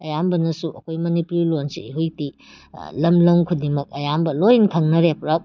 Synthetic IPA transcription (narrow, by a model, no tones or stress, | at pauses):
ɐjambɐnɐsuʔɐkʰojmɐnipuɾilonsḭiɦujti | lɐmlɐmkʰudimɐk̚ɐjambɐlojinkʰɐŋnɐɾepɾɐp̚